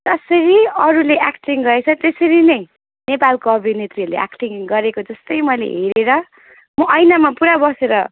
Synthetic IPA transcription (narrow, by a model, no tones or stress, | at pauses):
d͡zʌsʌɾiʌɾuleʔakʈiŋɡʌet͡sʰʌt̪esʌɾinʌj | nepalkoʌbʱinet̪riʌlḛʔa̰kʈiŋɡʌɾekod͡zʌst̪ʌjmʌjlḛɦeɾeɾʌ | mʌʔʌjnamapuɾabʌseɾʌ̰